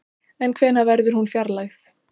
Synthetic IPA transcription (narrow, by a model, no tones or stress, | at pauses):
ɛnkʰvɛːnavɛɾðʏɾ̥hunfjaɾlaxθ